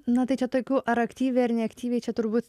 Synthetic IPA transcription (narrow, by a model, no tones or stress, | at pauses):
nɐt̪ɐɪt͡ʃʲɛt̪oːkʲuːʔɐɾɐkt̪ʲiːʋʲuɐɾnʲɛɐkt̪ʲiːʋʲeɪt͡ʃʲɛt̪ʊɾbuːt̪ʲ